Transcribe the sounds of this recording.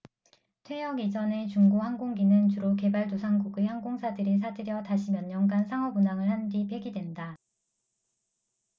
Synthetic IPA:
tʰwe̞jʌɡid͡ʑʌne̞t͡ɕuŋɡohaŋɡoŋɡinɯnt͡ɕuɾoke̞baɭtosʰaŋɡuɡehaŋɡoŋsʰadɯɾis̬ʰadɯɾjʌtaɕʰimjʌɲːʌŋɡansʰaŋʌbunaŋɯɭhandipʰe̞ɡidwe̞nda

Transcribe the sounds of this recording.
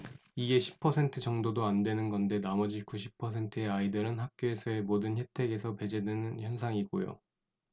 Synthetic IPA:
iɡe̞ɕʰi̥pʰʌsʰe̞ntʰɯd͡ʑʌŋdodoandwe̞nɯnɡʌnde̞namʌd͡ʑikuɕʰi̥pʰʌs̬ʰe̞ntʰɯeaidɯɾɯnɦak̚k͈joe̞sʰʌe̞modɯnçje̞tʰe̞ɡe̞sʰʌpe̞d͡ʑedwenɯnçjʌnsʰaŋiɡojo̰

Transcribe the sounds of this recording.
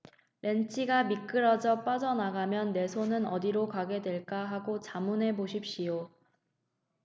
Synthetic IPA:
ɾe̞nt͡ɕʰiɡamik͈ɯɾʌd͡ʑʌp͈ad͡ʑʌnaɡamjʌnːe̞sʰonɯnʌdiɾokaɡe̞dwe̞ɭk͈aɦaɡot͡ɕamunɦe̞boɕʰip̚ɕ͈ijo

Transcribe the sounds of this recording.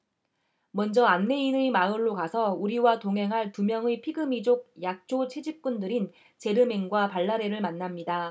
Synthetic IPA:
mʌnd͡ʑʌanːe̞inɯmaɯɭːokasʰʌuɾiwatoŋɦe̞ŋɦaɭtumjʌŋepʰiɡɯmid͡ʑoɡ̚jak̚t͡ɕ͈ot͡ɕʰed͡ʑip̚k͈undɯɾin | t͡ɕe̞ɾɯme̞ŋɡwapaɭːaɾe̞ɾɯɭmanːamɲida

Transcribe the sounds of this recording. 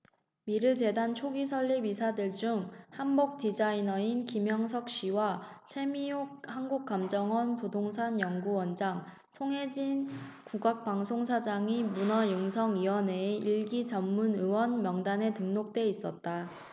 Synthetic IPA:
miɾɯɭt͡ɕe̞dant͡ɕʰoɡisʰʌɭːibisʰadɯɭd͡ʑuŋhanbok̚tid͡ʑainʌinkimjʌŋsʰʌk̚ɕ͈iwat͡ɕʰe̞miok̚hanɡuk̚k͈amd͡ʑʌŋwʌnpudoŋsʰanjʌŋɡuwʌnd͡ʑaŋ | sʰoŋɦe̞d͡ʑinkuɡak̚p͈aŋsʰoŋsʰad͡ʑaŋimunajoŋsʰʌŋiwʌneiɭɡit͡ɕʌmːunɯwʌnmjʌŋdane̞tɯŋnok̚t͈e̞is͈ʌt̚t͈a

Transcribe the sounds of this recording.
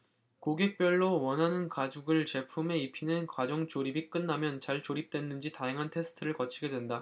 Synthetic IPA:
koɡe̞k̚p͈jʌɭːowʌnɦanɯnkad͡ʑuɡɯɭt͡ɕe̞pʰume̞ipʰinɯnkwad͡ʑʌŋt͡ɕoɾibik͈ɯnːamjʌnt͡ɕaɭt͡ɕoɾip̚t͈we̞nːɯnd͡ʑitajaŋɦantʰe̞sʰɯ̥tʰɯɾɯɭkʌt͡ɕʰiɡe̞dwe̞nda

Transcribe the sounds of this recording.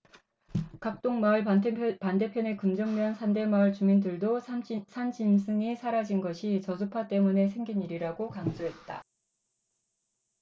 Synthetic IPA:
kak̚t͈oŋmaɯɭpande̞pʰjʌne̞kɯmd͡ʑʌŋmjʌnsʰande̞maɯɭt͡ɕumindɯɭdosʰand͡ʑimsʰɯŋisʰaɾad͡ʑinɡʌɕʰit͡ɕʌsʰupʰat͈e̞mune̞sʰe̞ŋɡiniɾiɾaɡokaŋd͡ʑoɦe̞t̚t͈a

